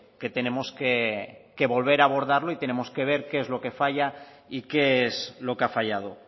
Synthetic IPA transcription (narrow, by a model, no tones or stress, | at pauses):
ke̞t̪e̞nẽ̞moskeke̞βo̞lβ̞e̞ɾaβo̞ɾðaɾloit̪e̞ne̞mo̞ske̞β̞e̞ɾkeezlo̞ke̞faʎa | ikeeslo̞keafaʎað̞o̞